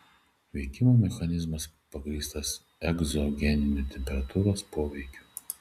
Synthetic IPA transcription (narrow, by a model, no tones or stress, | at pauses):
ʋʲɛɪkʲimomʲɛxɐnʲɪzmɐspɐɡɾʲiːst̪ɐs | ɛɡzɔɡʲɛnʲɪnʲut̪ʲɛmʲpʲɛɾɐt̪uːɾoːspoːʋʲɛɪkʲu